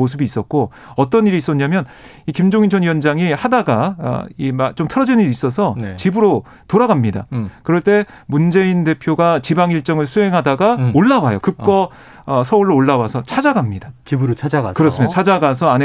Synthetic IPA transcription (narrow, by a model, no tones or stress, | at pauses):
os̬ʰɯbiːs͈ʌt̚k͈o | ʌt͈ʌniɾiːs͈ʌɲamjʌn | ikimd͡ʑoŋint͡ɕʰʌnijʌnd͡ʑaŋihadaɡa̰imat͡ɕomtʰɯɾʌd͡ʑinɯniɾiːs͈ʌsʰʌnt͡ɕibɯɾo | toɾaɡamɲida̰kɯɾʌɭt͈e̞ | mund͡ʑe̞inde̞pʰjoɡat͡ɕibaŋiɭt͡ɕ͈ʌŋɯɭsʰuɦe̞ŋɦadaɡaoɭːawajokɯp̚k͈ʌ | ʌsʰʌuɭːoːɭːawasʰʌt͡ɕʰad͡ʑaɡamɲidat͡ɕibɾot͡ɕʰad͡ʑaɡa̰kɯɾʌs͈ɯmidot͡ɕʰad͡ʑaɡas̬ʰʌane